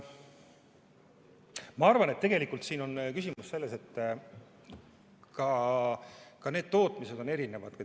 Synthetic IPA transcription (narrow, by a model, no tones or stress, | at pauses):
mɑɑrvɑne̞t̪ːe̞ɡ̥e̞likːˑult̪siːno̞nkysimusse̞lːe̞se̞t̪ː | kɑ | kɑne̞ːd̪̥̚t̪o̞ːt̪ˑmise̞d̪̥o̞ne̞ɾine̞vɑd̪̥k